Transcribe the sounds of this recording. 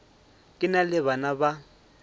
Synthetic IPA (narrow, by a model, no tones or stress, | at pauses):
kʼɪnalɪβanaba